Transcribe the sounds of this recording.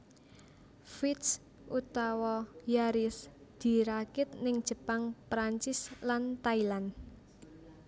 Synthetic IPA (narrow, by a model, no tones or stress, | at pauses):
fit̪s | ʔut̪awɔjaɾɪsd̪̥i̤ɾakɪt̪̚nɪŋd̥ʒ̥ə̤paŋpɾaɲt͡ʃɪslant̪ailan